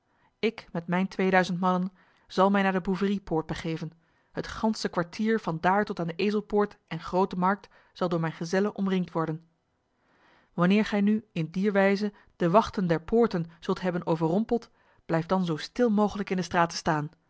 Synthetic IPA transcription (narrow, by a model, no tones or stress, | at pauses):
ɪkmɛtmɛjntʋejdœɥzəntmɑnən | z̥ɑlˠmɛjnaːɹdəbuvəripʊːɹt̚bəχejvən | ɦətχɑnsəkʋaɹtʰiːɹv̥ɑndaːɹtɔtaːndəʔejzəlˠpʊːɹtʔɛnχrowtəmɑɹk̚t | z̥ɑlˠdʊːɹmɛjnχəzɛlənʔɔmrɪŋtʋɔɹdən | ʋɑnɪːɹχɛjnyɪndiɹʋɛjzə | d̥əʋɑχtəndɛɹpʰʊːɹtənz̥ɵlˠtɦɛbənowvəɹrɔmpəlˠt | b̥lɛjfdɑnzowstɪlˠmowχələkɪndəstraːtə̥staːn